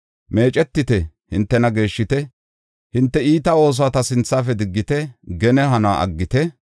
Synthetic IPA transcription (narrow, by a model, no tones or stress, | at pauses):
me̞ːt͡ʃʼɛt̪ːɪt̪ɛhɪnt̪ːɛnɐɡe̞ːʃːɪt̪ɛ | hɪnt̪ːɛiːt̪ɐo̞ːs̬ɔaːt̪ɐsɪnt͡sːaːfɛd̪ɪɡːɪt̪ɛɡɛnɛhɐna̰ʔɐ̰ɡːɪt̪ɛ